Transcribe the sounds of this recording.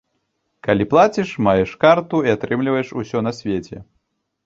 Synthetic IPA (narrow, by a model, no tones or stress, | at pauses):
kalʲiplˠat͡sʲiʂmajɛʂkart̪uiat̪ɾɨmlʲivɐjɛʂusʲɔnɐsʲvʲet͡sʲɛ̰